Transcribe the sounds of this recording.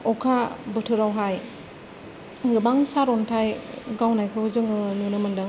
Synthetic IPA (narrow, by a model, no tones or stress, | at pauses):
ɔkʰabɯtʰɯɾawɦaj | ɡɯbaŋsaɾɔntʰajɡawnajkʰɯuzɯŋɯnunɯmɯndɯ